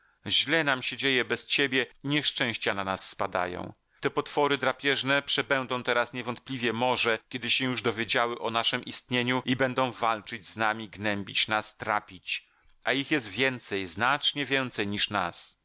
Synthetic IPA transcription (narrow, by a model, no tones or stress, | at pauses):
ʑlɛnamɕɛd͡ʑejɛbɛst͡ɕebʲjɛiɲɛʂt͡ʂɛ̃w̃ɕt͡ɕananasːpad̪a̰jɔ̰̃w̃ | t̪ɛpɔt̪fɔɾɘd̪ɾapʲjɛʐnɛpʂɛbɛnd̪ɔ̃w̃t̪ɛɾasɲɛvɔnt̪̚plʲivʲjɛmɔʐɛkʲɛd̪ɘɕɛ̃juʐd̪ɔvʲjed͡ʑawɘʔɔnaʂɛmʔist̪ɲeɲuibɛnd̪ɔ̃w̃valt͡ʂɘd͡ʑznamʲiɡnɛmbʲit͡ɕnast̪ɾa̰pʲit͡ɕ | ʔaixjɛst̪vʲjɛnt̪sɛjznat͡ʂɲɛvʲjɛnt̪sɛjɲiʂna̰s